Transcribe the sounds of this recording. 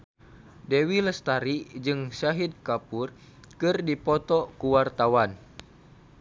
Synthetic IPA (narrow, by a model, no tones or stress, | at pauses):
dewiləst̪aɾid͡ʒɨŋʃaɦid̪̚kapur | kɨrdipɔt̪ɔkuwart̪awan